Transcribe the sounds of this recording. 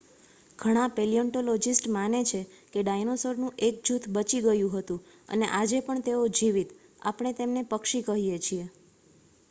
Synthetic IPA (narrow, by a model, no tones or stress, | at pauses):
ɡʱəɽ̃ãpeliɔɳʈolod͡ʒisʈmanet͡ʃʰekeɖajnosəɾnũʔek̚d͡ʒut̪ʰbət͡ʃiɡəjũɦət̪ũ | ə̰neʔad͡ʒepəɳt̪eod͡ʒiʋit̪ | a̰pɳ̃et̪emnepəkʃikəɦijet͡ʃʰie